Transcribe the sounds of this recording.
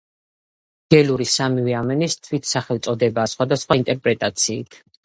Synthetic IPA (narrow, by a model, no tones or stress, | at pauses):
ɡ̥ɛluɾisamiviamɛnist̪ʰwit̪ʰsaχɛlt̪sʼɔd̪ɛbaːsχwad̪asχwaint̪ʼɛɾpʼɾɛt̪ʼat̪sʰiːt̪ʰ